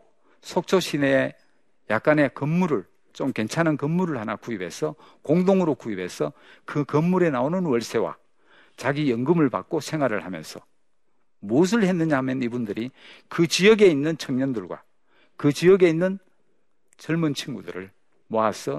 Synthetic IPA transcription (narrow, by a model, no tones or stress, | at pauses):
sʰok̚t͡ɕʰoɕʰineː | jak̚k͈ane̞kɯmːuɾɯɭ | t͡ɕomke̞nt͡ɕʰanankʌmːuɾɯɭhanakuibʱe̞̰sʰʌ | koŋdoŋɯɾokuibe̞̰sʰʌkɯkʌmːuɾe̞naonɯnwʌɭsʰe̞wa̰ | t͡ɕaɡijʌŋɡɯmɯɭpa̰k̚k͈osʰe̞ŋɦwaɾɯɭhamjʌ̰nsʰʌ | mus̬ʰɯɭhe̞nːɯɲaɦamjʌnibundɯɾikɯt͡ɕijʌɡe̞inːɯnt͡ɕʰʌŋɲʌndɯɭɡwa̰ | kɯt͡ɕiʌɡe̞inːɯn | t͡ɕʌɭmunt͡ɕʰiŋɡudɯ̰ɾɯ̰ɭ | moasʰʌ